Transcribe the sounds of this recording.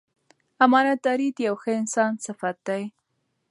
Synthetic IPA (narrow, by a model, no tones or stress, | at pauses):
amɑnaɑɾid̪jawxəɪnsɑnsɪfat̪̚d̪aj